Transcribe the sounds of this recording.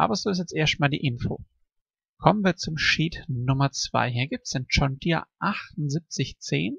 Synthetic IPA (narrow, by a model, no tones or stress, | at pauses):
ʔa̰ːbɐzoːɪstjɛt͡stʔeːɐst̚maːldḭːʔɪnfo̰ː | kʰɔmənviːɐt͡sʊmʃiːtnʊmɐt͡sv̥a̰ɪɦiːɐɡiːp̚tsɪnt͡ʃɔndiːɐʔaχtʊnzip̚t͡sɪçt͡sḛːn